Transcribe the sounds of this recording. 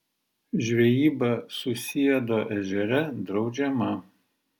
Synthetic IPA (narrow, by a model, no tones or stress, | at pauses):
ʒʲʋʲɛjiːbɐsʊsʲɪjɛd̪oːʔɛʒʲɛɾʲɛd̪ɾɒʊd͡ʒʲɛmɐ